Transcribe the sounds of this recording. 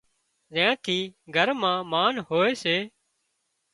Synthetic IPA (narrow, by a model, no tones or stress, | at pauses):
zãːt̪ʰiːɡʱəɾmãːmaːnɦoːeːseː